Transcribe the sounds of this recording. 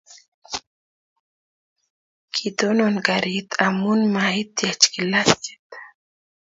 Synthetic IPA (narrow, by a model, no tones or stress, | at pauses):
kʰid̪ononɡaɾit̪ʰamunmait̪jat͡ʃkilast͡ʃi̥t̪